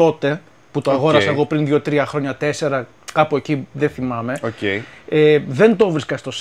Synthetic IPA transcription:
o̞t̪e̞ | put̪oɐɣo̞ɾɐsɐeɣo̞pɾinðʝo̞t̪ɾiɐxɾo̞ɲɐt̪e̞se̞ɾɐ | kɐpoeciðeθimɐme̞oceeðe̞nd̪o̞vɾiskɐst̪o̞s

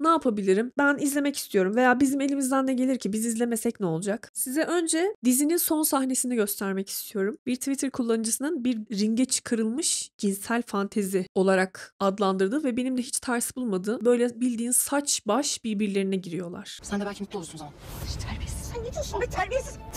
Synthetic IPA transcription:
naːpʰabilʲiɾimbænizlʲe̞mɛci̥st̪ʰijo̞ɾumve̞jaːbizime̞lʲimizd̪ænd̪ɛɟelʲiɾcʰibizizlʲemɛsɛcnɛo̞lˠud͡ʒaksizɛʔø̞nd͡ʒɛd̪izininso̞nsaxne̞sinɛɟø̞st̪ʰæɾmɛcʰi̥st̪ʰijo̞ɾumbiɾt̪ʰivit̪ʰɯɾkʰulˠːanɯd͡ʒɯsɯnɯnbiɾːiɲɟɛt͡ʃʰɯ̥kʰaɾɯlˠmɯʃɟinsælʲfant̪ʰezio̞lˠaɾakad̪lˠand̪ɯɾd̪ɯvɛbe̞nimd̪ɛɦit͡ʃt̪ʰaɾsɯbulˠmad̪ɯːbø̞jlʲɛbilʲd̪iːnsat͡ʃbaʃbiɾbiɾlʲe̞ɾinɛɟiɾijo̞lˠa̰ɾ̥sænd̪ɛbælʲcimit̪ʰːosunʰ | ɾi | ɾi

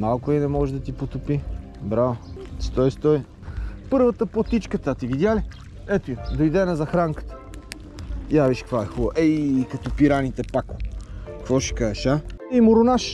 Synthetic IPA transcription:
malˠkʊinɛmɔʒɛd̪ɐt̪ipot̪ʊpi | bɾavəst̪ɔjst̪ɔj | pɤɾvət̪əpot̪it͡ʃkət̪at̪ivid̪jali | ɛt̪ʊjd̪ojd̪ɛnɐzɐxɾaŋkə̥t̪ə̥ | javiʃkkvaɛxubəʔɛikɐt̪ɔpiɾanit̪ɛpakʊkvɔʃɛ̥kaʃaimʊɾʊnaʃ

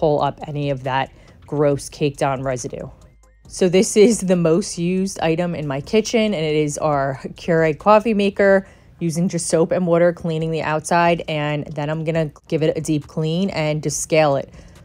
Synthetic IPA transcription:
pʰoʊlˠʔʌ̰pɛniʌvðət̚ɡ̥ɹoʊskʰeɪk̚d̥ãʊ̃nɹɛzɨɾʉ̰ | soʊðɪsɪzðɨmoʊst̚jʉzda̰ɪɾɨ̃mɨ̃nmaɪkʰɪt͡ʃɪ̃nɨ̃nɪɾɪzə˞kʰj̥ʊɹeɪd̚kʰɔfimeɪkə˞ | jʉzɪ̃ŋd͡ʒʌstsoʊpɨ̃nwɔɾə˞kʰl̥ĩnɪ̃ŋðiʔa̰ʊtsaɪɾɨ̃nðɨ̃ɾ̃ãɪ̃mɡʌñɨɡ̥ɪvɨɾɨdip̚kʰl̥ĩnɨ̃ndɨsskeɪlˠɪ̰t̚

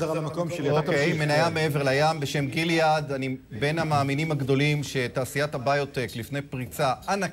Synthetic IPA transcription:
zalamakomʃeliokejmenajamee̞ve̞ʁlajambe̞ʃe̞mɡiljad̪anibe̞namaːminimaɡd̪o̞limʃe̞taːsijathabajo̞te̞klifne̞jpʁit͡saana

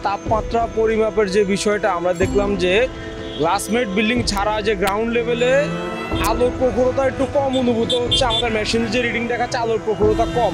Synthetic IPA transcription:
t̪apmat̪ːɾapoɾimapeɾd͡ʑebiʃɔeʈaamɾad̪ekʰlamd͡ʑe | ɡlasmeʈ̚bilɖiŋt͡ɕʰaɾad͡ʑeɡɾawɳɖlebele | alopɾokʰuɾot̪aek̚ʈukɔmonubʱut̪oɦotːɕʰeamad̪eɾmɛʃind͡ʑeɾiɖiŋɖ̪ɛkʰaealoɾpɾokoɾot̪akɔm

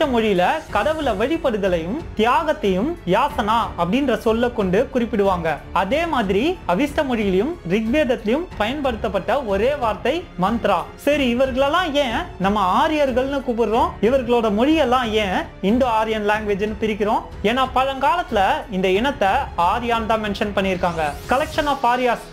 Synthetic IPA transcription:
ʈɐmɔɻɪjɪlɐkɐɽɐʋɯlɐʋɐɻɪpːɐɽɯðɐlɐjɯmt̪ɪjaːɣɐt̪ːɐjɯmjaːsɐnaːɐpːɐɽɪndrɐsɔlːɐkːɔɳɖɯkʊrɪpːɪɽɯʋaːŋɡɐɐðeːmaːðɪɾiɐʋɪsʈɐmɔɻɪjɪlɐjɯmɾɪɡʋeːðɐt̪ːɐjɯmpɐjɐnpɐɽɯt̪ːɐpːɐʈːɐɔɾeːʋaːɾt̪ɐɪmɐnt̪ɾaːsɐɾiɪʋɐɾɣɐɭɛlːãːjẽːnɐmːɐaːɾɪjɐɾɣɐɭnɯkʊpɯɾɯɾõːɪʋɐɾɣɐɭoːɽɐmɔɻɪjɛlːãːjẽːɪnd̪oaːɾɪjɐnlaːŋɡʋeːd͡ʒɐnːɯpɪɾɪkːɪɾõː | eːnaːpɐɻɐŋkaːlɐt̪ːɪlɐɪnd̪ɐɪɳɐt̪ːɐaːɾɪjaːnt̪ãːmɛnʂɐnpɐɳːɪɾɯkːaːŋɡɐkɐlɛkʂɐnaːfaːɾɪjaːs

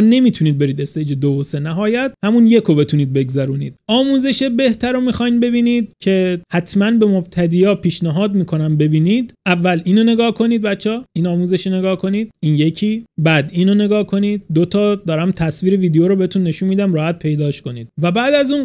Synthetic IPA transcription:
ne̞miːt̪ʰuniːd̪̚be̞ɾiːd̪est̪eid͡ʒed̪ovose̞næɦɒːjæt̪̚hæmunje̞kʰobe̞t̪ʰuniːd̪̚be̞ɡzæɾuːniːd̪̥̚ɒːmuːze̞ʃebe̞ht̪ʰæɾomiːxɒjnbe̞biːniːd̪cʰe̞hæt̪ʰmænbe̞mob̚t̪ʰæd̪iːjɒːpʰiːʃnæɦɒːd̪miːkʰo̞næmbe̞biːniːd̪ʔævːæliːnone̞ɡɒːhkʰo̞niːd̪̚bæt̪t͡ʃʰːɒːiːnɒːmuze̞ʃine̞ɡɒːhkʰo̞niːd̪̚iːnje̞cʰiːbæd̪iːnone̞ɡɒːhkʰo̞niːd̪̚ːot̪ʰɒːd̪ɒːɾæmt̪ʰæsviːɾe̞viːd̪ejoɾobeet̪ʰunːe̞ʃunmiːd̪æmɾɒːhæt̪̚pʰe̞jd̪ɒːʃko̞nḭːd̪̥̚væbæːd̪æzuːn

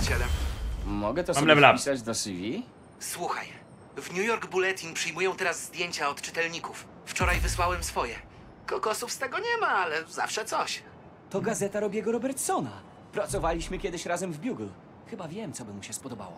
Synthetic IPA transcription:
ɕɛd̪ɛmmɔɡɛt̪ɔlɛlapisad͡ʑd̪ɔsivʲi | swuxa̰j | vɲujɔɾɡbulɛt̪ʲinpʂɘjmujɔ̃w̃t̪ɛɾazːd̪ʲjeɲt͡ɕaɔt̪t͡ʂɘt̪ɛlɲikufː | t͡ʂɔɾajvɘswawɛmsfɔjɛ | kɔkɔsufst̪ɛɡɔɲɛmaalɛzafʂɛt̪sɔɕ | t̪ɔɡazɛt̪aɾɔbʲjɛɡɔɾɔbɛɾt̪sɔna | pɾat̪sɔvalʲiɕmɘkʲɛd̪ɘɕɾazɛmvbʲjuɡl | xɘbavʲjɛmt̪sɔbɘmuɕɛspɔd̪ɔba̰wɔ̰

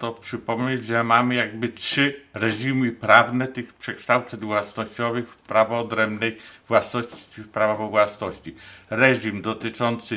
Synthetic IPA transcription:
t̪ɔpʂɘpɔmɲed͡ʑʐɛmamɘjaɡ̚bɘtʂɘɾɛʐimɘpɾavnɛt̪ɘxpʂɛkʂt̪awt̪sɛɲvwasnɔɕt͡ɕɔvɘxfpɾavɔːd̪ɾɛmbnɛjvwasnɔɕt͡ɕit͡ɕfpɾavavɔvwasnɔɕt͡ɕiɾɛʐimd̪ɔt̪ɘt͡ʂɔnt̪sɘ

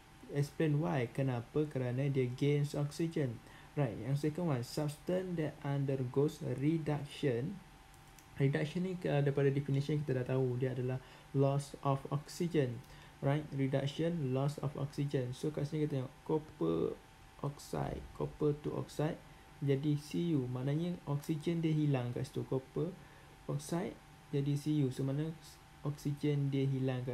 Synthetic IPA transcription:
ɛksplenwajkənãpakəɾanãdiaɡensɔksid͡ʒən | rajt̪̚jaŋsekənwansap̚st̪ãndɛãndərɡosridak̚ʃə̃n | ridak̚ʃə̃nːĩdaipadadɛfinisiãŋk̬it̪adaʔt̪audiaadalah | lɔsɔfɔ̰ksid͡ʒən | rajt̪̚ridak̚ʃənlɔsɔ̰fɔ̰ksid͡ʒənsokaʔsɲakat̪aɲakopə̰ | ʔɔ̰k̚sa̰jt̪̚kʰopət̪uʔɔ̰ksajt̪̚ | d͡ʒadisijumãnaɲaʔɔksid͡ʒəndiəɦilaŋka̰st̪ukopə | ɔk̚sajt̪̚ | d͡ʒadisijusomãna | ɔksid͡ʒəndiəɦilaŋka

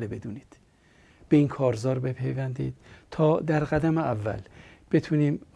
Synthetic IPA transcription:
lebe̞d̪uːniːd̪̥ | b̥eiːnkʰɒːɾzɒːɾbepʰejvænd̪ḭːd̪̥̚t̪ʰɒːd̪æɾɣæd̪æmeævːæ̰lb̥e̞t̪ʰuːniːm

